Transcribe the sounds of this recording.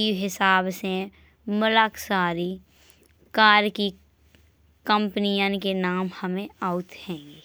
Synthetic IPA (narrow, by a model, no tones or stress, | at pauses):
iɦɪsaːbse | mʊlaːksaːɾi | kaːɾki | kə̃mpnijə̃nkenaːmhəmẽaːʊt̪hɛ̃ːɡeː